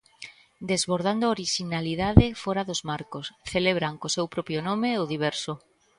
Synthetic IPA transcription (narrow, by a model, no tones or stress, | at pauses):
d̪ezβoɾð̞and̪ooɾiʃinaliðaðefoɾaðozmaɾkosθeleβ̞ɾaŋkosewpɾɔpjonomeʊðiβ̞ɛɾso